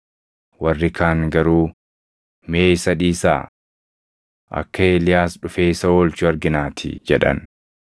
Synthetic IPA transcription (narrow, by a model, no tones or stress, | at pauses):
wɐrːɪkaːŋɡɐɾuː | meːɪsɐᶑiːsa̰ː | ʔɐ̰kːɐeːlɪjaːsᶑʊfe̞ːɪsɐoːlt͡ʃʊɐɾɡɪnaːt̪ʰɪ̰d͡ʒɛᶑɐ̰n